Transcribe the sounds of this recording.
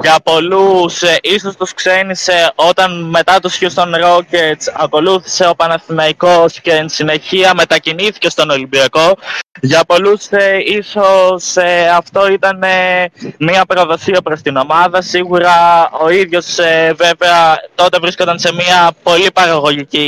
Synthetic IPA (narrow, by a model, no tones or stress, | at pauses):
ʝɐpo̞lusiso̞st̪uskse̞nise̞o̞t̪ɐnme̞t̪ɐt̪usçust̪o̞nɾo̞cezɐko̞luθi̥se̞o̞pɐnɐsθinɐiko̞sceːnsine̞çiɐme̞t̪ɐciniθi̥ce̞st̪o̞no̞limbiɐko̞ʝɐpo̞lusiso̞seɐft̪o̞it̪ɐnemiɐpɾo̞ðo̞siɐpɾo̞st̪ino̞mɐðɐsiɣuɾɐo̞iðʝo̞seve̞veɐt̪o̞t̪e̞vɾiskod̪ɐnse̞miɐpo̞lipɐɾɐɣo̞ʝici